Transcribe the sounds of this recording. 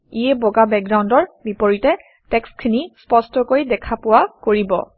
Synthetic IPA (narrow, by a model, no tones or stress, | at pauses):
iɛbɔɡabɛk̚ɡɹawndɔɹbipoɹitɛ | tɛkskʰinispɔstɔkojdɛkʰapʊwakoɹibɔ̰